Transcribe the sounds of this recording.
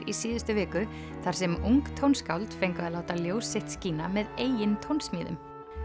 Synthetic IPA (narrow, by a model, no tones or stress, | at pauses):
ɾisiːðɪst̪ʏvɪːkʏ | θaɾ̥sɛmuŋkt̪ʰownskawlt̪fejŋkaðɪlaːwt̪aljoːwsːeht̪sciːnamɛðeːjɪnt̪ʰownsmiːðʏ̰m